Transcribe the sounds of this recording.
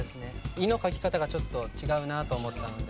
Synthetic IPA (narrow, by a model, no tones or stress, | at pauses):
esɨne̞ino̞kakʲi̥kat̪aɡat͡ɕo̞t̪ːo̞t͡ɕiɡaɯ̟nat̪o̞ːmo̞t̪ːano̞d̪e